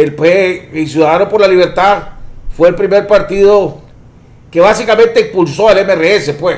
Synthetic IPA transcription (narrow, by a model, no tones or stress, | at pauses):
elpeels̬juðaðaðanopo̞ɾlaliβ̞eɾt̪aðfweːlpɾime̞ɾpaɾt̪iðo | ke̞βasikamẽnt̪eimpulsoelemeereesepwe